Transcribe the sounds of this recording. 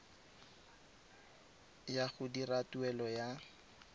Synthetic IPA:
jaχʊdiratuɛlɔja

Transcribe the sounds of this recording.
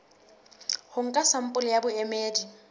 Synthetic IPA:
hʊŋ̩kʼasam̩pʼʊlɪjabʊɛmeːdi

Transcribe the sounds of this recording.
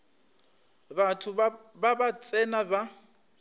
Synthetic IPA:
batʰʊbabat͡sʼɛnaba

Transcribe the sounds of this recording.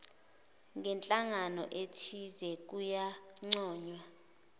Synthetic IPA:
ŋʱɛnt͡ɬʼaŋanɔ̰ʔetʰizɛk̬ujaŋ͡ǀɔːɲwa

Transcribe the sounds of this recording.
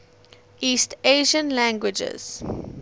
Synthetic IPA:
iːsteʒə̃nlæ̃ŋɡwɪd͡ʒə̰z̥

